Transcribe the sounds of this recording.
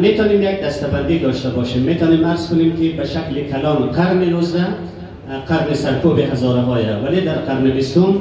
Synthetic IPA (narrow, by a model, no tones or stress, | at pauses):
met̪ʰɔːnemjak̚d̪ast̪aband̪id̪ɔːʃt̪abɔʃemːet̪ɔːnemaɾz̥kʊnemkibaʃaklikʰalɔnqʰaɾniɾuzɾa | qʰaɾnisaɾkʰubihazɔːɾaɦɔːɾavaled̪aɾqʰaɾnibist̪un